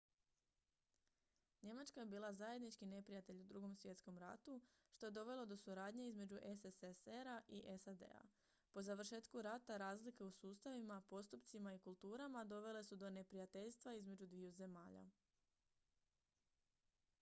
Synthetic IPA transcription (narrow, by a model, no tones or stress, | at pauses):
ɲe̞mat͡ʃkaje̞biːlˠazaje̞d̪nit͡ʃkine̞pɾijat̪e̞ʎud̪ɾuɡo̞msʋje̞t̪sko̞mɾa̰t̪uʃt̪o̞je̞d̪o̞ʋe̞lˠo̞d̪o̞suɾaːd̪ɲe̞izme̞d͡ʒuʔeseseseɾaʔiʔe̞sad̪e̞̰a̰ | po̞zaʋr̩ʃe̞ːt̪kuɾat̪aɾaːzlike̞usuːst̪aʋimapo̞st̪upt̪simaikulˠt̪uːɾamad̪o̞ʋe̞le̞sud̪o̞ne̞pɾijat̪e̞ʎst̪ʋaizme̞d͡ʒud̪ʋiuze̞maːʎa̰